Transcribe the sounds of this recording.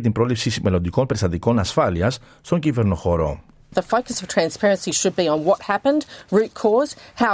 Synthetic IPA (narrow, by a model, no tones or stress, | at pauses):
t̪imbɾo̞lipsisme̞lo̞nd̪iko̞mpeɾist̪ɐt̪iko̞nɐsfɐliɐs | st̪o̞ɲɟive̞ɾno̞xo̞ɾo̞̰ | ðəfəʊkəsʌv̥tʰɹ̥æ̃nspɛɹɨ̃nsiʃɨd̚biə̃nwɔt̚hæpə̃nd̥ɹʉˑt̚kʰɔz̥ha